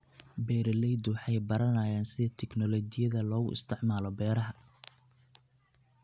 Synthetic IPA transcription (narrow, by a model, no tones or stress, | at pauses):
bɛːɾɐlɛjd̪wɑħɑjbɐɾɐnaːjaːnsɪðɐt̪ʰɛknɔlɔt͡ʃɪjɐðɐlɔːɣʊ̰ʔɪ̰st̪ʰɪʕmaːlɔbɛːɾɐɦɐ